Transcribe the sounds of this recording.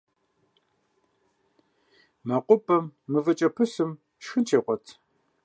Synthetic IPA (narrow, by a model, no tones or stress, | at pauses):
mɐqʷʼʊpʼɐmːɨvɐt͡ʃʼɐpʰɨsɨm | ʃɨntʰeːqʷɔtʰ